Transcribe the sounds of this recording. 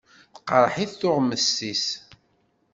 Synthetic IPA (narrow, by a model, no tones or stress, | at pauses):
θqːɾˤħiθθʊʁməsis